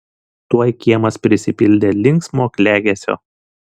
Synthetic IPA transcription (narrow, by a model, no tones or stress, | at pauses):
t̪uɔjkʲiɛmɐspʲɾʲɪsʲɪpʲɪlʲd̪ʲeːlʲɪŋksmoːkʲlʲæːɡʲeːsʲo̰ː